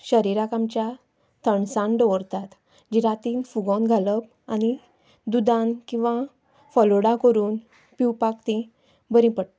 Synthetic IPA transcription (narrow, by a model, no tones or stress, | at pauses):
ɕəɾiɾakamt͡ɕja | t̪ʰəɳsãɳɖɔɾt̪at̪ | d͡ʑiɾat̪iːnfuɡɔ̃nɡʱaləb̚ | añi | d̪ud̪ãnkĩw̃ʋa | fɔloɽakəɾuːn | piwpakt̪ĩ | bəɾĩpəɽ